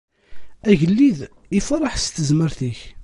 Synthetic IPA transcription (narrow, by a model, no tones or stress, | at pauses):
æʝəlːið | ifɾˤɑħst̪əzməɾθiç